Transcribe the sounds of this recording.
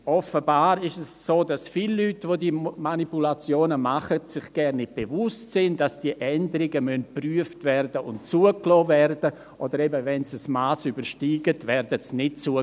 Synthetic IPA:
ʔɔfəbaːɾɪʃɛssoːdasfilːytvodimanipulat͡sjoːnəmaχətsɪχɡ̥ɛɾnɪt̚b̥evʊstsɪndasd̥iəʔɛndəɾɪɡəmœntpryəftvɛɾdəʊntt͡suəklɔːvɛɾd̥ə | ʔodəɾɛbəvɛnsəsmaːsybəɾʃtiːɡətvɛɾdəsnɪt̚t͡suə

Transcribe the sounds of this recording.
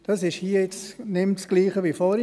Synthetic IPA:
d̥ɑsɪʃhiːəɪt͡snɪmtsɡ̥liːχəʋifɔɾ

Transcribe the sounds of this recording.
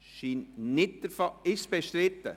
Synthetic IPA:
ʃiːnnɪt̚d̥̪əɾfɔɪsb̥ɛʃt̪ɾɪt̪ːə̰

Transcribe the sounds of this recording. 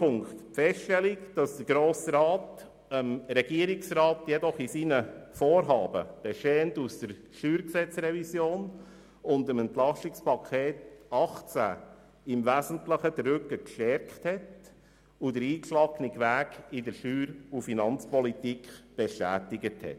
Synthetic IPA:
pʰʊŋktfɛsʃtʃtɛlikd̥ɑsd̥əɾɡɾoːsɾɑːt | əmɾɛɡiəɾɪksɾɑːtjɛdɔχisiːnəfoːɾɦɑːbə̰b̥eʃɛːəntusd̥əɾ | ʃyːɾksɛt͡sɾɛvisjoːn | ʊndəmɛnt̪lɑsɪkspʰɑkʰeːtɑχt͡sæ̰ | ɪmvæːzən̩tləχədɾʏkːəkʃtɛɾkχthɛt | ʊd̥əɾiːkʃlɑɡnɪkʋæːɡɪdəɾʃyːɾufinɑnt͡spɔlitikχb̥eʃtæ̰ːtɪɡəthɛ̰t

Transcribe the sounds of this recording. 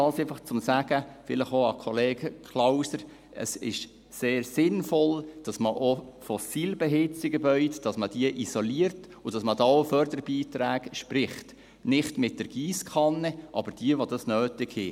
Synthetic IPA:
ɑlsɛfɑχt͡sʊmsæɡ̥əfɪləχoɑkʰɔleːɡ̥əkʰlawsəɾ | ə̰sɪ̰ʃ | seːɾsɪnfɔld̥ɑsməʔofɔsiːlbɛɦɪt͡siɡəbœʏtd̥ɑsməd̥iəʔisoliəɾt | ʊd̥ɑsmədɑofœɾdəɾb̥iːtɾæːɡ̥ʃpɾɪχt | nɪχtmɪt̚d̥əɾɡ̥iːskʰɑnːɛʔɑ̰bəɾd̥iəʋodɑsnøːtɪɡhɪ

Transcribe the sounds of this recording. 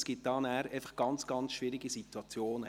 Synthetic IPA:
sɡ̥ɪt̚d̥ɑːnæːɾɛɪfə̥χɡ̥ɑnt͡sɡ̥ɑnt͡sʃvɪɾiɡisit̪wɑt͡sjoːnə

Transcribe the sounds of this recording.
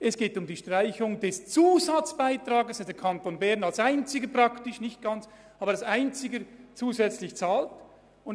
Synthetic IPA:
ɛsɡ̥eːtʊmdiːʃtʁ̥aɪçʊŋdɛst͡suːzat͡sb̥aɪtrɑːɡəsad̥ɛkʰɑntoːnbɛɐnɑlsaɪnt͡sɪɡəpr̥ɑktɪʃnɪçt̚ɡ̥ɑnt͡s | ʔɑːbəɾɑlsaɪnt͡sɪɡət͡suːzɛt͡slɪçt͡saːlt | ʊn

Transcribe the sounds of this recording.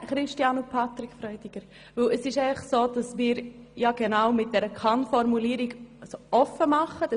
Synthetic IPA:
χɾɪʃtjɑnupʰɑt̪ɾikfɾœʏdiɡ̥əɾ | ʋɵləsɪʃɛɪfəχsoːd̥ɑsmɪːɾjɑɡ̥enaʊmɪt̚d̥ɛɾəkʰɑnfɔɾmuliːɾiɡsoɔfəmɑχəd̥ɑ

